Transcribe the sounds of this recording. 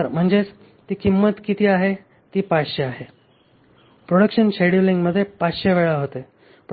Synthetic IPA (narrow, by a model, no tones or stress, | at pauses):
əɾm̤əɳd͡zet͡s | t̪iːkimːət̪kit̪ʰiːaɦe | t̪iːpaɕeaɦe | pɾoɽəkɕənɕeɽjuliŋɡməd̪ʱːjepaɕeʋeɭaɦot̪e | p